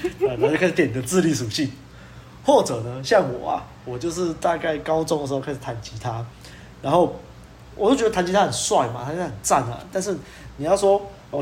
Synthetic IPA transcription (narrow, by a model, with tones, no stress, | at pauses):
a˨˩˨t͡ɕka˥˩˧jɛ˨ni˨˩d̪ə˧t͡sɹ̩˥˧˦li˥˩ʂu˨˩ɕi˥˨n | hwɔ˥˩t͡sə˨˩nə˦ɕjɑ˥˩ŋwɔ̰˨˩ɐ̰˨ | wɔ˨˩t͡ɕjo˥˧ʊʂ̬ɻ̩˥˧t̪a˥˧ka˥˩ɪkɑ˦ʊt͡sɔ˥ŋdə˩ʂ̩˧˥˧ka˥ʂɻ̩˨˩t̪ʰa˧˥nt͡ɕi˧˥t̪ʰa˦ | ɻa˧˦nxo˥˩ʊ | wɔ˨˩t͡ɕo˥ʊt͡ɕɥɛ˧˥ə˧t̪ʰnt͡ɕi˧˥a˥hə˨˩nswa˥˩ɪma̰˨t̪ʰa˧˦t͡ɕ̪a˥ə˨˩nt͡sa˥˩nɐ̰˨t̪a˥˧nʂɻ̩˥˩ | ni˨jɑ˥˩ʊswɔ˥ | ɔ˨